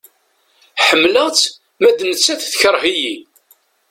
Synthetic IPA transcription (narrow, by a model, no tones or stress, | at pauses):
ħəmːləʁt͡sː | mæd̪nət͡sːæθθçəɾˤɦiji